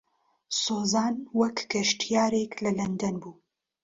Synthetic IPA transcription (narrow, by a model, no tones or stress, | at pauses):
soːzɑːnwɐkɡɐʃt̪jaːɾeklɐlɐnd̪ɐnbuː